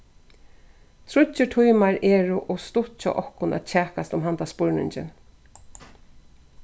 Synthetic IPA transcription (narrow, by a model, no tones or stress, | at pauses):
t̪ʰɾʊɪʈʰujmaɹɛːɹʊʔɔst̪ʊht͡ʃa̰ʔɔhkʊnɛ̰ːt̪̚t͡ʃʰæːkast̪ʊmɦant̪aspʊɹnɪ̰ɲt͡ʃɪ̰n